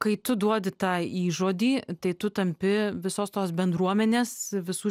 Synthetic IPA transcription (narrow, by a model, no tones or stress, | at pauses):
kɐɪt̪ʊd̪uɔd̪ʲɪt̪ɑːiːʒoːd̪ʲiːt̪ɐɪt̪ʊt̪ɐmʲpʲɪʋʲɪsoːst̪oːsbʲɛnd̪ɾuɔmʲɛnʲeːsʋʲɪsuː